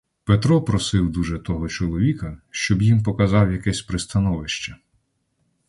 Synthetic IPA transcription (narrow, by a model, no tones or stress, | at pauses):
pet̪ɾɔpɾɔsɪwd̪uʒɛt̪ɔɦɔt͡ʃɔlˠɔʋʲikɐʃt͡ʃɔbjimpɔkɐzɑwjɐkɛsʲpɾɪst̪ɐnɔʋɪʃt͡ʃɐ